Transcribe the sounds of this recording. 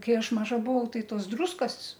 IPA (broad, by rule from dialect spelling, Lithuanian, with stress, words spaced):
ˈkɐɪ ˈɐʃ ˈmɑːʒɐ bʊˈʋɐʊ ˈtɐɪ ˈtoːs ˈdruːskɐs